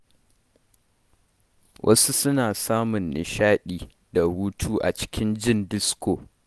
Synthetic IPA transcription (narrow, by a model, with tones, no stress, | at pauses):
wʔɐ̰˦su˦sʊ˦naː˨saː˦mʊ˨nːɪ̰˨ʃaː˦ɗiː˨ | da˨huː˦tʰuː˦ʔa̰˨t͡ʃɪ̥˦kʲɪ˦nd͡ʒɪ˦ndɪ˦skoː˨